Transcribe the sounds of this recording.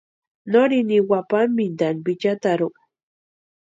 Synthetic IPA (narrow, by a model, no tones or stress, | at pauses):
noɾiniwapammind̪anbit͡ʃat̪aɾu